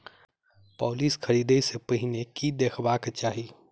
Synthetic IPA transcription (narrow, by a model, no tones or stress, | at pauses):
pɔːliskʰəɾiːd̪esepəɦinekid̪eːkʰbaket͡ʃaːɦi